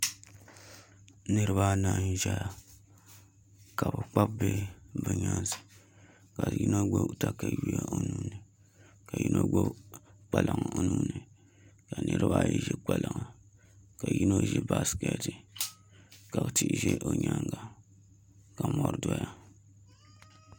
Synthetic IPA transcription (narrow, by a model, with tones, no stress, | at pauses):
nɨ˦ɾɨ˦ba˦naː˨n˦ʒɛ˦ja˨ | ka˨bɨ˨k͡pa˦b̚be˦bɨ˨ɲa˦n˦sɨ̥˨ | ka˨ji˦no˦ɡ͡bo˦ta˦ka˨ji˦ja˦ʔo˨nu˨˦nɨ˨ | ka˨ji˦nʔo˦ɡ͡bo˦k͡pa˨lʔa˨ŋa˨o˨nu˦nːɨ˨ | ka˨nɨ˦ɾɨ˦ba˦˨jɛ˨ʒɛ˦k͡pa˨la˨ŋa˨ | ka˨ji˦no˦ʒɛ˦ba˦skɛ˨tɨ˨ | ka˨bti˦ʔʒɛ˦ʔo˨ɲa˦ŋɡa˨ | ka˨mɔ˨˦ɾɨ˦dɔ˦ja˦